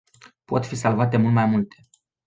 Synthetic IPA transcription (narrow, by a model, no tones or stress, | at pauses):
po̞t̪fisalvat̪e̞mult̪majmult̪e̞